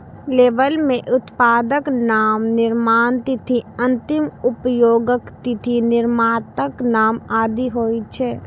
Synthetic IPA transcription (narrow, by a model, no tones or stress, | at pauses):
leːʋəlmẽʔʊt̪paːd̪əknaːmnɪɾmaːnt̪ɪt̪ʰiɐ̃nt̪ɪmʊpjoːɡəkt̪ɪt̪ʰinɪɾmaːt̪əknaːmaːd̪iɦoːit͡ʃʰɛː